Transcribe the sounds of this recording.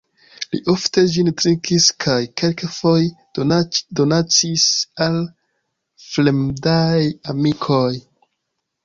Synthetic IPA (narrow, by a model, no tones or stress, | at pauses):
lḭʔofte̞d͡ʒintɾiŋkʰiskʰajkelkefo̞j | do̞nat͡sisal | flemdajamikʰo̞j